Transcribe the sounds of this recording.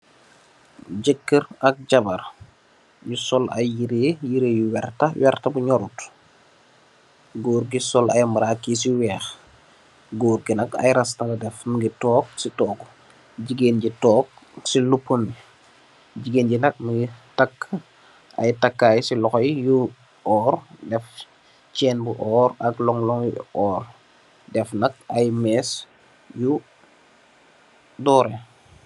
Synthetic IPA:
ɟɛkːəɾɐk̚ɟɐbɐr | jusɔlɐ̰jjiɾeːjiɾeːjuwɛrtɐwɛrtɐbuɲɔɾut | ɡoːɾɡisɔlʔɐ̰jmbɐɾakːis̬iwɛːx | ɡoːɾɡinɐkɐ̰jɾɐstɐlɐdɛfnuɡitɔːk̚sitɔːku | ɟiɡenɟitɔːk̚ | silupːumi | ɟiɡenɟinɐk̚mɡitɐkː | ʔɐ̰jtɐkːaːjsilɔxɔjju | ɔːrdɛf | t͡ʃɛːnbuʔɔːɾɐɡlɔŋlɔŋjɔːr | dɛfnɐk̚ɐjmɛːs | ju | dɔːɾɛ

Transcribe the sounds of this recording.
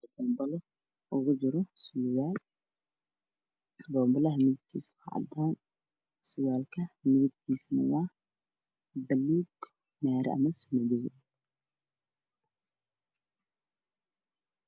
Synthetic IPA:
bɔːmbɐlɔ | ʔʊɣʊd͡ʒɪɾɔsʊwaːl | bɔːmbɐlɐɦɐmɪðɪb̚kʰiːsfɑ̰ʕɑ̰d̪aːn | sʊwaːlkʰɐmɪðɪb̚kʰiːsnɐwɑː | bɐluːɡ | maːɾɛ̰ɐ̰mɐsʊmɐðɛ

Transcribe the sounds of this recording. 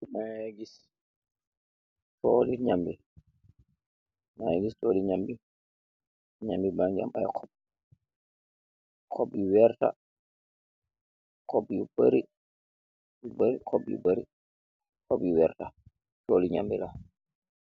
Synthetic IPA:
maɡis | toːliɲambi | majɡistoːliɲambi | ɲambibaŋd͡ʒia̰mɓajɔ̰kʰɔb̚ | kʰobːiwɛɾta̰ | kʰobːibaɾi | baɾikʰobːḭbaɾi | kobiwɛ̰ɾta | toːliɲa̰mbila

